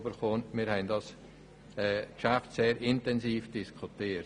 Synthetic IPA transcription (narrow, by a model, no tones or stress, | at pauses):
bəɾχoːnmɪːɾhɛɪndɑs | ɛːkʃaftseːɾɪntɛnsiːfd̥ɪskʰutiː